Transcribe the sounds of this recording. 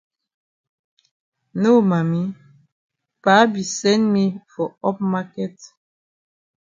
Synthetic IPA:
no˦ma˨mi˦ | pa˨˦bi˨sɛ̃˦nmi˦fɔ˨ɔ˦p̚ma˦kɛ˨t

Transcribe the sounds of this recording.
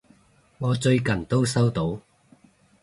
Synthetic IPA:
ŋɔː˨˧t͡sɵ˧ɥkɐ˨˩nt̪o˥wsɐ˥wt̪o˨˥w

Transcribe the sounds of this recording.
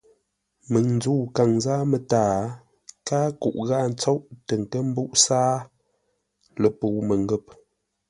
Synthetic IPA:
mə˨ŋn˦d͡zu˦˨ka˨ŋzaː˦mə˨taː˨ | kaː˦kṵ˨ʔɣa˦˨n̩˦t͡so˦ʔtə˨ŋ˨kə˦m̩˦bu˦ʔsaː˦ | lə˨pu˨mə˨ŋɡə˦˨p̚

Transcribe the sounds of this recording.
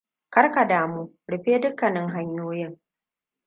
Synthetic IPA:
kɐ˦ɽka˨daː˨muː˦ | ɽɪ˨ɸeː˦dʊ˦kːɐ˨nɪ˦ŋɦa˦ɲjoː˦jɪ˦ŋ

